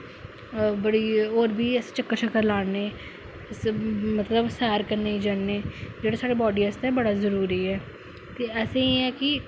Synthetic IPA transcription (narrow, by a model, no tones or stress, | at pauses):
bəɽioːɾbʱiːɛse̥t͡ʃəkːəɾt͡ʃəkːəɾlaːneː | smət̪ləbsɛːɾkəɾneid͡ʒaːneːd͡ʒeːɽaːsaːɽeːbɔːɖiːəst̪ɛːbəɽazəɾuːɾiːɦɛː | t̪eːɛːseiɛːkɪ